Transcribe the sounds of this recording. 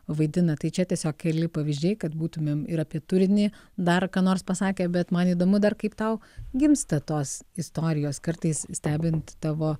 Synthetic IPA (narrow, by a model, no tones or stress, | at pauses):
ʋɐɪd̪ʲɪnɐt̪ɐɪt͡ʃʲɛt̪ʲiɛsʲoːkʲkʲɛlʲɪpɐʋʲɪzʒʲd͡ʒʲɛɪkɐt̪buːt̪ʊmʲeːmɪɾɐpʲiɛt̪ʊɾʲɪnʲɪd̪ɐrkɑːnoːrspɐsɑːkʲeːbʲɛt̪mɐniːd̪oːmʊd̪ɐrkɐɪpt̪ɐʊɡʲɪmst̪ɐt̪oːsɪst̪oːɾʲɪjoːskɐrt̪ɐɪssʲt̪ʲæːbʲɪnt̪t̪ɑːʋoː